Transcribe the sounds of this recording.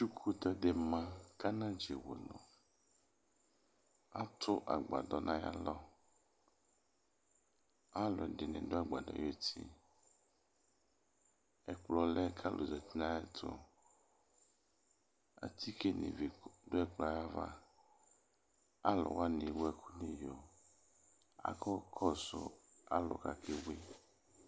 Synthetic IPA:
t͡ʃu˦kʰu˦d̪ɔ˦de˨mã˦kʰa˦nã˦d͡ʒe˨wo̰˨nɔ̰̃˨ | a˦t̪ʰʊ˦ʔa̰˨ɡ͡ba̰˨d̪ɔ˨nã˦ja̰˦lɔ˦ | a˦lɔ˨dɪ˨nɪ̰̃˨dʊ˦a˨ɡ͡ba˨dɔ̰˨je˦t̪ʰḭ˦ | ɛ˨k͡plɔ˨lɛ˦kʰa˦lʔo̰˨zɔ˨t̪i˦nã˦ja˦t̪ʰo̰˦ | a̰˨t̪ʰi˦ke˦nḛ˨ve˨do˦ɛ˦˨k͡plɔ˨a˨ja˦va̰˦ | a˦lɔ̰˨wa˦ne˨wo˦ɛ˨kʰu˦ne˨jo˨ | a̰˨kɔ˦kʰɔ˦sʊ̰˦a˦lɔ̰˨ka˨kʰe˦we˦

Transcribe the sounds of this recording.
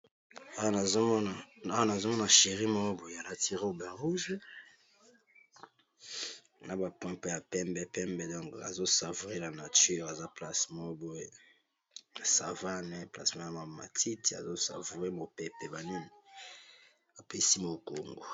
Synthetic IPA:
a˦wa˦na˨zo˦ɔ˦na˨a˦wa˦na˨zo˦mɔ˦na˨ʃe˨ʁi˦mɔ˦bo˨ja˨la˨ti˨ʁe˦o˨ba˨ʁu˦ʒ | nʔa˦ba˨pwɛ̃˦pe˦˨a˨pɛ˦mbɛ˦pɛ˦mbɛ˦˨dɔ̃˦ŋka̰˨zo˦sa˨vu˨ʁe˦la˨na˨ty˦ʁa˨za˦pla˨smɔ̃˦bo˦e˨˦ | a˨sa̰˨va˦nɛ˦pla̰˨smã˦ja˨ma˨ma̰˨tʰi˦ti˨a̰˨zo˦sa̰˨vu˨ʁe˦mo˨pɛ˨pɛ˨ba˨ni˦ni˨ | a˨pe˦si˦mo˨ko˨ŋɡo̰˨

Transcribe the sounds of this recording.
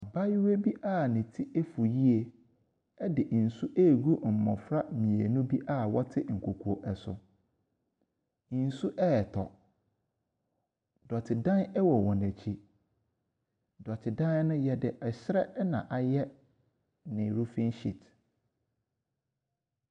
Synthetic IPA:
a˨ba˦jwe˦bi˦ʔa˦˨nɪ̃˨tʰi˦ʔe˦fu˨ji˦e˨ | ɛ˦dɪ˨ʔn̩˨su˦ʔe˦˨ɡu˦m̩˨mɔ̃˨fɾa˦mĩ˨e˨nʊ̃˦bi˦ʔa˦˨wɔ˦tʰɪ˦ŋ̩˨kʰo˨kʰu˨o˨ʔɛ˨sʊ̰˨˦ | n̩˨su˦ʔɛ˦ɛ˨tʰɔ˨ | dɔ˨tʰɪ˨dã˦nɛ˦wɔ˨wɔ̃˨næ˨t͡ɕʰi˦ | dɔ˨tʰɪ˨dã˦n˦nʊ̃˦jɛ˦dɪ˦ʔɛ˨ɕɾɛ˦nã̰˨ʔa˨jɛ˦ | nɪ̃˨ɾu˦fɪ̃˦nɕi˨t

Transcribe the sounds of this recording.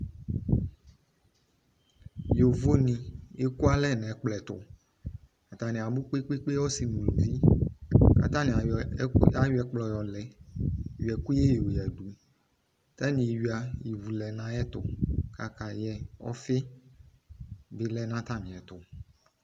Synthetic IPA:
jo˨vo˦nĩ˨e˦ku˦a˦lɛ˦˨nɛ̃˨˦k͡plɛ˨t̪ʊ̰˨ | a˨t̪a˨nĩ˨a˨bu˦k͡pe˦k͡pe˦k͡pe˦wɔ˦si˨nũ˨lũ˨vi˦ | ka̰˨t̪ã˦nĩ˨ | a˦jɛ˦k͡plɔ˨jɔ˨lɛ˨ɥi˨ɛ˨ku˦e˦jo˨jɛ˨ɖu˨ | t̪a˦nĩ˨i˨ɥi˨a˨ji˨vu˨lɛ˨nã˦ɛ˦t̪ʊ˨ka˨ka˨jɛ˨ɔ̰˦fɪ˦ | bɪ˦lɛ˦nã˦t̪ã˦nĩ˨ɛ˨t̪ʊ˨

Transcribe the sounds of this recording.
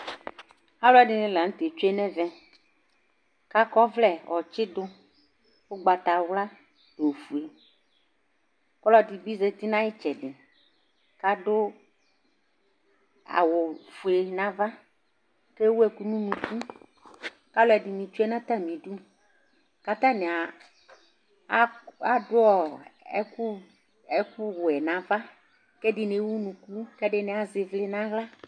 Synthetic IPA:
a˦lʊ˦ɛ˨dɪ˨nɪ̃˨lã˨ŋ̩̃˦t̪e˨t͡ʃo˦e˦nɛ̃˦vɛ˦ | ka˦kɔ˦vlɛ˦˨ʔɔ˨t͡ʃɪ˦d̪ʊ˦ | wo˦ɡ͡ba˨t̪a˨wla˦ | do˨fu˨e˨ | kɔ˦lɔ˦di˨bi˦ze˦t̪i˦nã˦jɛ˦t͡ʃɛ˨ɖɪ˨ | ka˦dʊ˦ | a̰˨wʊ˨fu˨e˨nã˦va˦ | ke˦wu˦ɛ˨ku˦nũ˦nũ˨ku˦ | ka˦lo˦ɛ˨di˨mĩ˨t͡ʃu˦ɛ˦nã˦t̪ã˦mĩ˨ɖu˦ | ka˨t̪ã˦ne˨a˨˦ | a˦dʊ˦ɔ˨ɛ̰˦ku˦ | ɛ˦ku˦wo˨ɛ˨nã˨va˦ | ke˦ɖɪ˨ne˨˦wu˦nũ˨ku˦kɛ˦ɖe˦ne˨a˨ze˨vle˦nã˦ɣla˦

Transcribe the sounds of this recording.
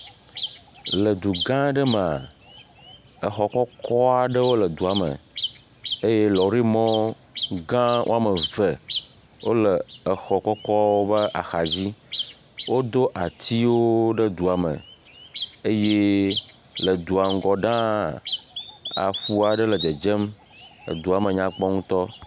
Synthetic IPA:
lə˨d̪u˨ɡã˦ɖə˦me˨a˨ | ə˨xɔ˨kɔ˦kʰɔ˦a˨ɖə˦wo˦lə˨d̪u˨a˨mə̰˨ | e˦je˦lɔ˨ɾi˦mɔ̃˦ | ɡã˦wʔo̰˦a˦mə˨və˨ | wʔo˦lə˨ə˨xɔ˨kɔ˦kɔ˦wo˦bə˦ʔa˨xa˨d͡ʑi˦ | wo˦d̪o˦ʔa˨t̪i˦wo˦ɖə˦d̪u˨a˨mə̰̃˨ | e˦je˦ | lə˨d̪u˨a˨ŋ̩˨ɡɔ˨ɖã˦ | a̰˨ɸu˦a˨ɖə˦lə˨d͡ʒə˨d͡ʒe˦m̰˨ | d̪u˨a˨mə̃˨ɲã˦k͡pɔ˦ŋũ˦t̪ɔ˦

